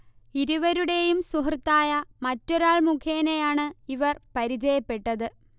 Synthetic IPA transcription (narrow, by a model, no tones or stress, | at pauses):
iɾuʋɐɾuɽe̞jumsuɦrt̪ːaːjɐmɐtːoɾaːɭmukʰeːnejaːɳɨiʋɐrpɐɾid͡ʑɐjɐpːe̞ʈːɐðɨ